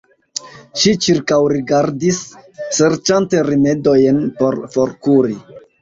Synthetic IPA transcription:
ʃit͡ʃiɾkawɾiɡaɾdisːe̞ɾt͡ʃante̞ɾime̞do̞jnpo̞ɾfo̞ɾkuɾi

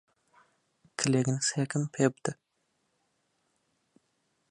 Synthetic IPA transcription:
kʲʰɪleɡʲɪnɪsekʲʰɪmpʰepd̪̥ɪ

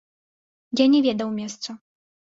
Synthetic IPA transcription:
janʲɛvʲɛd̪ɐwmʲɛst̪sɐ

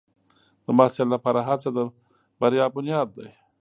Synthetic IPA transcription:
d̪əmasallapɑɾaɦat͡sad̪ə | baɾjɑːbʊnjɑd̪̚ːaj

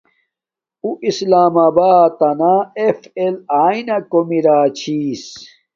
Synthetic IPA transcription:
uʔislaːmabaːt̪ɐnaefelaːinɐkomiɾaːt͡ɕʰiːs

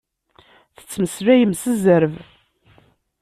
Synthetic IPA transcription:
θə̥t͡sːməslæjəmsəzəɾv

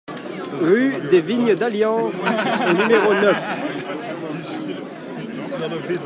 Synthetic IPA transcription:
ʁyd̪eviɲəd̪aljɑ̃snymeʁonœf

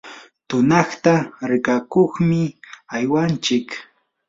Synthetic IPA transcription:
t̪ʊnɑχt̪aɾɪkakoχmɪajwant͡ʃɪk

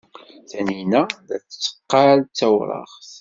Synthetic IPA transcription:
θæninæðæ̰t͡sːə̥t͡sːə̥qːɑlt͡sːæwɾˤɑ̰ʁθ

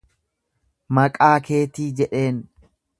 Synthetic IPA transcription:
mɐkʼaːke̞ːt̪iːd͡ʒɛᶑe̞ːn

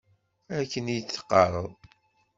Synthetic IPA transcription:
ækːənijət͡sːə̥qːɑɾˤəðˤ

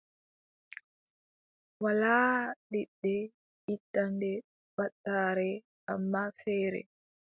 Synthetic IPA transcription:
walaːɗiɗːɛ | itːandɛ | baɗːaːɾɛ | ʔamːafɛːɾɛ̰

